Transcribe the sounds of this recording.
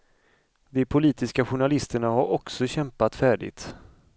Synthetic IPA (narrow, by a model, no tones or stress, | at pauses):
d̪ɛpʰʊliːt̪ɪskaɧʊɳalɪst̪əɳaɦaɾɔksɔɕɛmpat̪fæːɖɪ̰ɡt̪